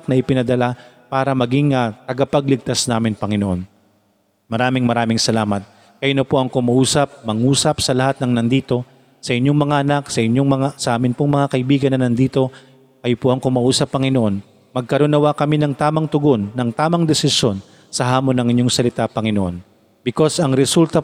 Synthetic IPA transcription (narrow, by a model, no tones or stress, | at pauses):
k̚nɐʔɪpɪnɐd̪ɐla | paːɾɐmɐɡɪŋɐt̪ɐɡɐpɐɡ̚lɪɡ̚t̪asnaːmɪnpɐŋɪnoʔo̞n | mɐɾaːmɪŋmɐɾaːmɪŋsɐlaːmɐt̪̚ | kɐjʊnɐpoʔɐŋkʊmɐʔuːsɐp̚mɐŋuːsɐpsɐlɐhat̪̚nɐŋnɐnd̪iːt̪o̞ | sɐʔɪɲjoŋmɐŋaʔɐnaksɐʔɪɲjoŋmɐŋasɐʔaːmɪnpoŋmɐŋakɐʔɪbiːɡɐnɐnɐnd̪iːt̪o̞ | kɐjopoʔɐŋkʊmɐʔuːsɐpːɐŋɪnoʔo̞n | mɐɡ̚kɐɾʊnɐwakɐminɐŋt̪aːmɐŋt̪ʊɡo̞nːɐŋt̪aːmɐŋd̪ɛsɪsjo̞n | sɐɦaːmonːɐŋɪɲjoŋsɐlɪt̪apɐŋɪnoʔo̞̰n | bɪko̞sɐŋɾɛsult̪ɐ